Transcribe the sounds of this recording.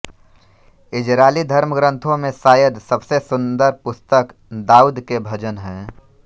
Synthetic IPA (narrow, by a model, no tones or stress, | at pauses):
ɪd͡ʒɾaːlid̪ʱəɾməɡɾə̃nt̪ʰõmẽsaːjəd̪səbsesʊ̃nd̪əɾpʊst̪ək | d̪aːuːd̪kebʱɐd͡ʒənɦɛ̃ː